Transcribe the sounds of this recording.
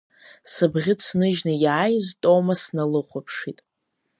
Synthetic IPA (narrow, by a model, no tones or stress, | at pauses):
sɨbʁʲɪt͡sʰnɨʒnajaːjztʼo̞wmasnalɨχʷapʰʂitʼ